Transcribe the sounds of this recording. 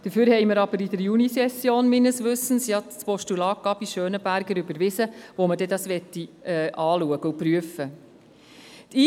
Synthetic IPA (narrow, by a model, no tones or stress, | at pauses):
d̥əfyːɾhɛɪməɾɑb̥əɾid̪əɾjunisɛsjoːnmɪnəsʋʏstn̩sjɑt͡spɔʃtulɑːkːɑbiʃøːnəbæɾɡəɾʏbəɾʋɪsəʋoməd̥ɛdɑsʋɛt̪ːiɛːʔɑːluəɡ̥əupɾyəfə | t̪ʰiː